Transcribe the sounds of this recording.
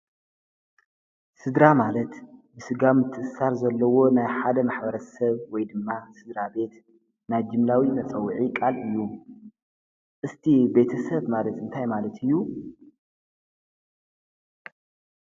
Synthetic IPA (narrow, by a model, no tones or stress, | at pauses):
sɨd̪ɾamalɐt̪bɨsɨɡamɨt̪ʰːɨʔɨsaɾzɐlːɐwo̞najħad̪ɐmaħbɐɾɐsɐβwɔjd̪ɨmːasɨd̪ɾabe̞t̪ | najd͡ʒɨmlawimɐt͡sʼɐwːʕikʼalɨjːu | ʔɨst̪ʰibe̞t̪ʰɐsɐβmalɐt̪ɨnt̪ʰajmalɐt̪ʰɨjːu